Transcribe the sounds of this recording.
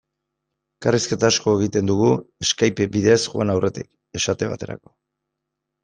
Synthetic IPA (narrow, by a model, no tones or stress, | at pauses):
kariske̞t̪aːsko̞e̞ɣ̞it̪e̞nd̪uɣue̞skajpebiðe̞sʝua̰nawrʔe̞t̪ḭk | e̞ʃat̪e̞βa̰t̪e̞ɾa̰ko̞̥